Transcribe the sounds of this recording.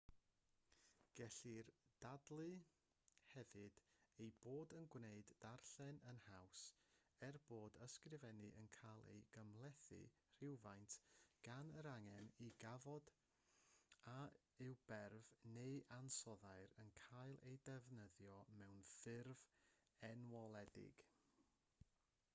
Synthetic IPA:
ɡ̥ɛɬɨrd̥adlˠɨ | hɛvɨdejboːdənɡwneɨdːarɬɛnənhawsɛrboːdəskrɪvɛnɨʔənkʰajlˠḛjɡ̥əmlˠɛθɨ̰ | r̥ɪwvajntʰɡ̥anəɾaŋɛniɡavɔd̥ | a | ɪwb̥ɛrvnejʔansɔðaɨɾənkʰajlˠejdɛvnəðjɔmɛwnθɪrvɛnwɔlˠɛdɪ̰ɡ̥

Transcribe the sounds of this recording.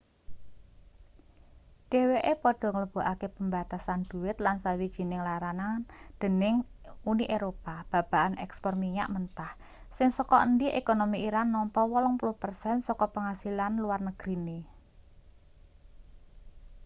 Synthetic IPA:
ɖ̥e̤weʔepɔɖ̥ɔ̤ŋələb̥ṳʔakepəmba̤t̪asand̪̥ṳwɪt̪lansawid̥ʒ̥i̤nɪŋlaɾanand̪̥ə̤nɪŋuniʔeɾopab̥a̤b̥a̤ʔanʔɛkspɔrmiɲa̰ʔmənt̪ah | sɪŋsɔkɔʔənd̪iʔekonomiiɾanːɔmpɔwɔlɔŋpuluhpərsɛnsɔkɔpəŋasilanluwarnəɡ̥ɾine

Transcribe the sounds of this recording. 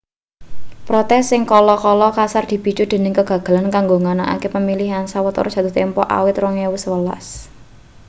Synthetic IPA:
pɾɔt̪ɛsːɪŋkɔlɔkɔlɔkasard̪̥i̤b̥i̤t͡ʃud̪̥e̤nɪŋkəɡ̥ä̤ɡ̥a̤lankaŋɡoŋanaʔa̰kepəmiliɦansawət̪ɔ̰rd̥d͡ʒʒ̥a̤t̪ʊht̪empɔʔa̰wɪt̪rɔŋewʊswəla̰s

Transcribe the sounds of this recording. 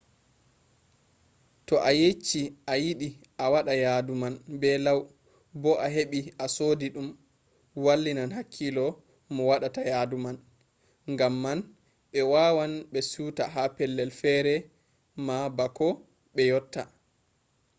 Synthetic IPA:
tɔʔajet͡ʃːiʔajiɗi | ʔawaɗajadumanbɛlaw | bɔʔaɦeɓiasodiɗum | walːinanɦakʰːilɔ | mɔwaɗatajaduman | ŋɡamːan | ɓɛwawanɓɛsuta̰ɦapɛlːɛlfɛɾɛ | mabakɔ | ɓɛjɔtːa̰

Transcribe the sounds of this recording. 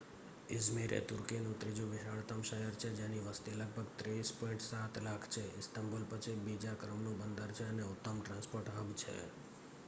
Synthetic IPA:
ɪzmiɾḛt̪ʊɾkinũt̪ɾid͡ʒũʋɪʃaɭt̪əmʃəjəɾt͡ʃʰed͡ʒeniʋəst̪iləɡ̚bʱəɡt̪ɾeispɔiɳʈsat̪lakʰt͡ʃʰeɪsʈ̪əmbolpət͡ʃʰibid͡ʒakɾəmnũbənd̪ʱəɾt͡ʃʰeəneʊt̪ːəmʈɾãnspoɾʈɦəbt͡ʃʰḛ

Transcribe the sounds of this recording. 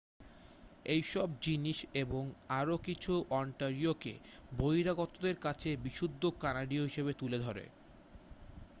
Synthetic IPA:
ejʃɔb̚d͡ʑiniʃeboŋaɾokit͡ɕʰuʔɔɳʈaɾiokḛ | bojɾaɡɔt̪od̪eɾkat͡ɕʰebiʃud̪ʱːokanaɖioɦiʃeβet̪uled̪ʱɔɾḛ

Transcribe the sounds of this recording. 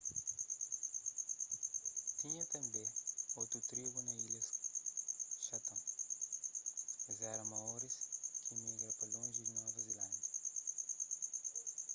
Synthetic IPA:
t̪ĩɲɐt̪ɐ̃mbẽot̪ɾut̪ɾiɡunɐilɐs | ʃɐpɐ̃w̃ | zɛɾɐmɐɔɾiskʰimiɡɾɐpɐlõʒiznɔvɐzilɐ̃nd̪ɐ

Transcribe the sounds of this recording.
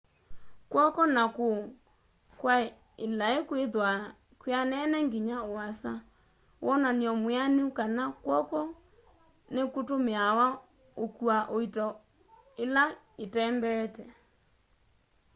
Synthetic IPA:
kwɔkɔnako | kwa | elaekweðwa | kweanɛnɛŋɡiɲaoasa | wʔɔnaniɔmwaneukanakwɔkɔ | nekotomeawa | okuaʔoitɔ | ela | etɛmbɛtɛ

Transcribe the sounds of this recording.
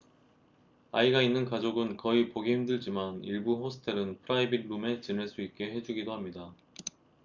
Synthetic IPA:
aiɡainːɯnkad͡ʑoɡɯnkʌipoɡeimdɯɭd͡ʑimaniɭbuɸosʰɯ̥tʰeɾɯnpʰɯɾaibiɾɾume̞t͡ɕineɭs͈uik̚k͈e̞ɦe̞d͡ʑuɡidohamɲida

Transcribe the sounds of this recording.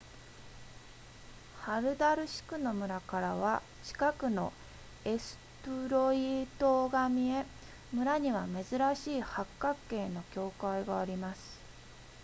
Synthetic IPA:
haɾɯ̟d̪aɾɯ̟ɕi̥kɯ̟no̞mɯ̟ɾakaɾaβ̞a | t͡ɕi̥kakɯ̟no̞ | e̞sɨ̥t̪ɯɾo̞it̪o̞ːɡamʲie̞ | mɯ̟ɾaɲ̟iβ̞ame̞zɨɾaɕiːhakːakːe̞ːno̞kʲo̞ːkaiɡaːɾʲimasɨ̥

